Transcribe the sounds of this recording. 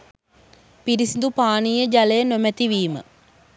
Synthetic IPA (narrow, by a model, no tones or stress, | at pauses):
piɾisind̪upaːnijəd͡ʒalejənomæt̪iʋiːmə̰